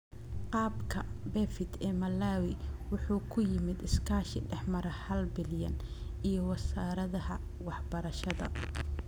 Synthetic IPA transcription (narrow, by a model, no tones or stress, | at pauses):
qɑːbkʰɐbɛfɪt̪ʰɛːmɐlːaːwɪwʊħuːkʰʊjɪmɪd̪ɪskʰaːʃɪɖɛħmɐɾɐhɐlbɪljɐ̰nʔijɞwɐsaːɾɐðɐɦɐ | wɑħbɐɾɐʃɐðɐ̰